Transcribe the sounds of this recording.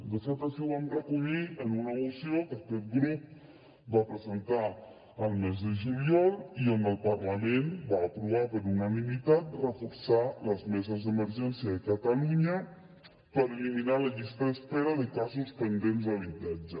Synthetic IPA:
d̪əsat̪əsioβamrəkuʎiənunəusiokəkɛt̪̚ɡɾup̚ | bapɾəzənt̪a | əlˠmezðəʒuliɔlˠiəmbəlˠpərləmenbaəpɾuβ̞apəɾunənimit̪at̪̚rəfuɾsaləzmezəzðəməɾʒɛnsiəðəkət̪əluɲə | pəɾəliminaləʎist̪əðəspeɾəðəkazuspənd̪enzəβit̪ad͡ʒə

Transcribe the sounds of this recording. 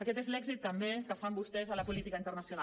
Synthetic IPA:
əkɛt̪ezlɛɡzit̪ːəmbekəfambust̪ɛzələpulit̪ikəint̪ərnəsjuna

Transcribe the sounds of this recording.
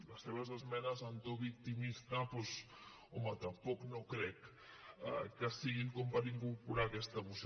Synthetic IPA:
last̪eβazezmɛnɐzant̪oβik̚t̪imist̪apos | omat̪ampoknõkɾɛk | kesiɣiŋkompaɾiŋkuɾpuɾakɛst̪aβus

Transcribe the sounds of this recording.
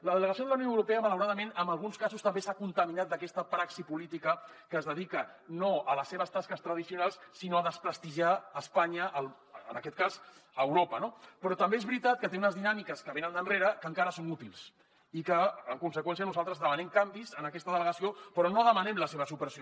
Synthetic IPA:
ləðələɣəsioðələwnjoəwɾupeəmələwɾaðəmenəmbəlˠɣ̞unskazust̪əmbesakunt̪əminat̪̚d̪əkɛst̪əpɾaksipulit̪ikə | kəːzðəðikənoələsːeβəst̪askəst̪ɾəðisiunalˠssinoəðəspɾəst̪iʒaːspaɲəəl̰ | nəkɛt̪̚kazəːwɾopənopɾɔt̪əmbeezβɾit̪at̪̚kət̪eunəzðinamikəskəβenənd̪ənreɾəkəŋkaɾəsonut̪ilˠs | ikəːŋkunsəkwɛns̬iənuzalˠt̪ɾəzðəmənɛmkambizənəkɛst̪əðələɣəsiopɾɔnoðəmənɛmləseβ̞əsupəɾsio

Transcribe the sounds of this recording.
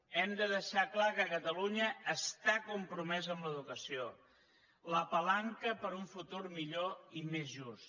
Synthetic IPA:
ɛmd̪əðəʃaklakəkət̪əluɲəːst̪akumpɾumɛzəmləðukəsio | ləpəlaŋkəpəɾuɱfut̪uɾmiʎoimezʒust̪

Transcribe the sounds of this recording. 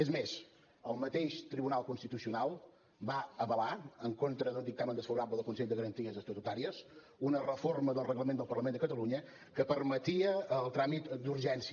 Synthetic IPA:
ezmes | əlˠmət̪eʃt̪ɾiβunalˠkunst̪it̪usiunalˠ | baəβəlaəŋkont̪ɾəðəlˠd̪ik̚t̪amənd̪əsfəβuɾabləðəlˠkunsɛʎd̪əɣəɾənt̪iəzəst̪ut̪ut̪aɾiəs | unərəforməðəlˠrəɣləmend̪əlˠpərləmend̪əkət̪əluɲə | kəpəɾmət̪iəːlˠt̪ɾamit̪d̪uɾʒɛns

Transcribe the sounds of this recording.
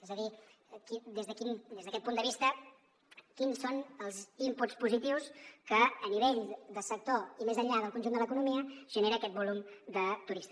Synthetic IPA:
ɛzəði | kid̪ezðəkind̪ezðəkɛt̪̚pund̪əβist̪ə | kinsonəlˠzimput͡spuzit̪iwskəːniβeʎd̪əsək̚t̪oimezəʎað̞əlˠkunʒund̪ələkunumiəʒ̥əneɾəːkɛt̪bulumd̪ət̪uɾist̪i

